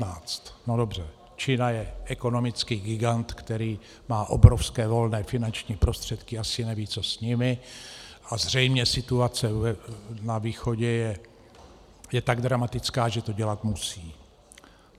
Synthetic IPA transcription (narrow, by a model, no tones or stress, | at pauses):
aːt͡st̪nodo̞br̝ɛ | t͡ʃɪnajɛʔɛko̞no̞mɪt͡skiːɡɪɡant̪kt̪ɛɾiː | maːʔobɾofskɛːvo̞lnɛːfɪnant͡ʃɲiːpɾo̞st̪r̝̥ɛt̪kɪasɪnɛviːt͡so̞sɲɪmɪ | ʔazr̝ɛjmɲɛsɪt̪uat͡sɛɛnaviːxo̞ɟɛjɛ | jɛt̪aɡd̪ɾamat̪ɪt͡skaːʒɛt̪oɟɛlat̪musiː